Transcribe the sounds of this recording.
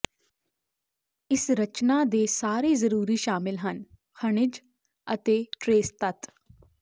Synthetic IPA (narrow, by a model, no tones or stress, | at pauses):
ɪsɾət͡ʃnaːd̪eːsaːɾiːzəɾuːɾiːʃaːmɪlɦən | kʰəɳ̃ɪd͡ʒ | ət̪eːʈɾeːst̪ət̪